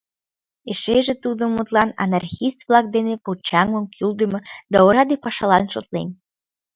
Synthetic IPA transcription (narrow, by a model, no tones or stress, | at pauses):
eʃeʒĕt̪ud̪omut̪lˠɑnɑ̰nɑrxist̪vlˠɑk̚d̪enepot͡ɕɑŋoŋkʰyld̪əmod̪ɑoɾɑd̪epɑʃɑlɑnʃot̪lḛn